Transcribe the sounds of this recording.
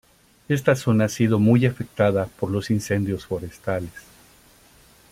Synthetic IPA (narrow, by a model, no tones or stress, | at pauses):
e̞st̪aso̞naasið̞o̞mujafe̞k̚t̪aðapo̞ɾlo̞sinse̞nd̪jo̞sfo̞ɾe̞st̪ales